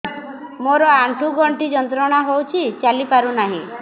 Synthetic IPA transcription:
moɾɔaʈʰuɡʱɔɳʈid͡ʒɔnt̪ɾɔɽ̃aɦowt͡ʃʰit͡ʃalipaɾunaɦḭ̃

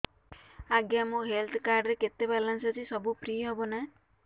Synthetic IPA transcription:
aɡjamuɦelt̪ʰkaɾɖɾeket̪ebalansɔt͡ʃʰisɔbupɾijɦebɔna

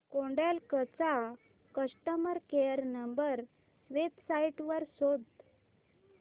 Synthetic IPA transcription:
koɳɖalkət͡sa | kəsʈəməɾkejəɾnəmbəɾ | ʋebsaiʈʋəɾsod̪

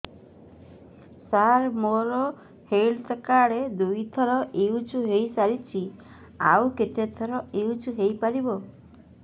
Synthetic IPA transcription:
saɾmoɾɔ | helt̪kaɽed̪ujt̪ʰɔɾɔʔiud͡ʒuɦejsaɾit͡ʃʰi | a̰wket̪et̪ʰɔɾɔeud͡ʒuɦejpaɾibɔ

